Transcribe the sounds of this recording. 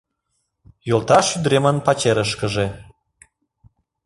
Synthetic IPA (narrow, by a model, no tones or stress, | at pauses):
jolˠt̪ɑʃyd̪ɾemənpɑt͡ɕeɾəʃ̬kəʒe